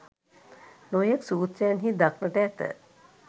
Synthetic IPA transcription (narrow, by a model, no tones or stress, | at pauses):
nojeksuːt̪sejnɦid̪aknəʈɛːt̪ə̰